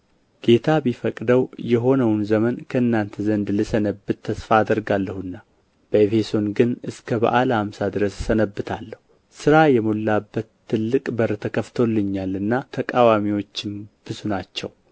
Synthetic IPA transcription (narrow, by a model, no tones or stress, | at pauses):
ɡ̥e̞t̪ʰabifəkʼd̪əwjɛɦo̞nəwnzəmənkʰəɨnːant̪ʰəzənd̪lɨsənəbːɨt̪ʰːəsfaːd̪əɾɡalːəhuɨnːa | b̥əefe̞so̞nɡɨnɨskʰəbə̰ʔalhamsad̪ɨɾəssənəbːɨt̪ʰalːəhu | sɨɾajɛmolːabːət̪ʰːɨlːɨkʼbəɾət̪ʰəkʰəft̪ʰo̞lːɨɲːalɨnːat̪ʰəkʼawamiwo̞t͡ʃːɪmb̥ɨzunat͡ʃːɛw